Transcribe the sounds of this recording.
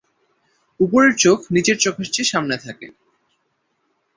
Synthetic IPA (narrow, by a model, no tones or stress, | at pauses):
upoɾeɾt͡ɕokʰnid͡ʑeɾt͡ɕokʰaʃt͡ɕeʃamnet̪ʰakḛ